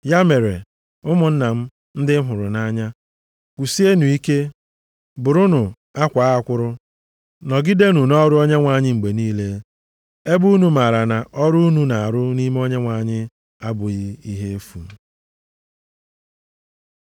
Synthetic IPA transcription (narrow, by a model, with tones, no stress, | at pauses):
ja˦me˨ɾe˨ | ʊ˦mʊ˨n̩˦na˨m̩˦ | n̩˦dɪ˦m̩˦ɦʊ˨ɾʊ˨na˦ɲa˦ | kʷu˨si˦e˦nu˨i˦ke˦ | bʊ˨ɾʊ˦nʊ˨ | a˦kʷaː˨˦a˨kʷʊ˦ɾʊ˦ | nɔ˨ɡɪ˦de˦nu˨nɔ˦ɾʊ˦o˦ɲe˦ŋʷa˨ɲɪ˦ŋ͡m̩˨ɡ͡be˨niː˦le˦ | e˦bu˦nu˨ma˨ɾa˨na˨ʔɔ˦ɾu˦u˦nu˦na˨a˨ɾʊ˦ni˦me˦o˦ɲe˦ŋʷa˨ɲɪ˦ | a˦bʊ˨i˦i˦ɦe˦e˦fṵ˨m̩˨